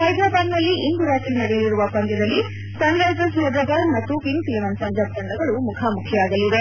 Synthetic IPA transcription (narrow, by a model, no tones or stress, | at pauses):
sɐjd̪ʱaːbaːnnɐlːiʔind̪uɾaːt̪ɾinɐɽejiɾuʋɐpɐnt̪ɐd̪ɐlːi | sɐŋɾaːd͡ʒɐsɐd̪ɐd̪ɐmɐt̪ːukiŋsiliʋɐnsɐnd͡ʒaːb̚kɐɳɖɐɡɐɭumukʰaːmukʰjɐaːɡɐlːid̪e